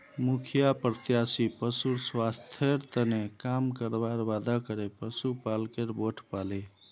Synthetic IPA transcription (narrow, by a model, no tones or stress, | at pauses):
mukʰijapɾət̪jasipəsuɾswast̪ʰjeɾt̪ənekamkəɾbaɾbad̪akəɾepəsupalkeɾboʈʰpale